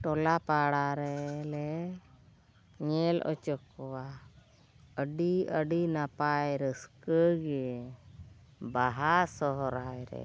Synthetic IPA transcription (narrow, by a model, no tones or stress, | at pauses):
ʈɔlapaɽaɾɛlɛ | ɲɛlɔ̰t͡ʃɔkːɔwa | əɖiəɖinapajɾəskəɡɛ | baɦasɔɦɔɾajɾɛ̰